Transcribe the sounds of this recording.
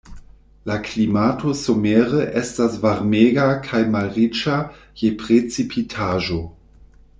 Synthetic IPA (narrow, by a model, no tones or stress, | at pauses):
laklimatʰosomeʁəʔestasvaɾmeɡakʰajmalʁit͡ʃa | jepʁet͡sipʰitʰaʒo